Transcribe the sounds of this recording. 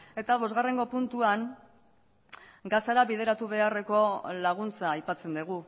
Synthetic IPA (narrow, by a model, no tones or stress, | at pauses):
e̞t̪aβ̞o̞zɣare̞ŋɡo̞punt̪uaŋ | ɡasaɾaβið̞e̞ɾat̪uβ̞e̞are̞ko̞laɣ̞unt͡saːjpat͡se̞nd̪uɣ̞u